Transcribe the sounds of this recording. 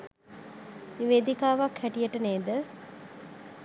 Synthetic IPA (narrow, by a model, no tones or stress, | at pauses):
niʋeːd̪ikaːʋakhæʈijəʈəneːd̪ə